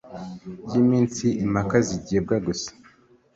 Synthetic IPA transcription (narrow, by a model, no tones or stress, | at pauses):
ɟiːmiːnsiʔimakaziɟeːb̚ɡaɡusḁ